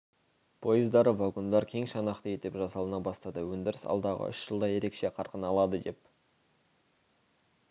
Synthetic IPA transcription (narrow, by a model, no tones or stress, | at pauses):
pʰo̞jəzd̪ɑɾəvɑɡond̪ɑɾkʲʰe̞ŋʃɑnɑqt̪ej̪̚d̪e̞pʒɑsɑlˠənɑbɑst̪ɑd̪əwɵnd̪ɪɾɪsɑ̰lˠd̪ɑʁə̰ʔʏ̰ʃʒ̥əlˠd̪ɑje̞ɾe̞kʃe̞qʰɑɾqənɑlˠɑd̪əd̪e̞p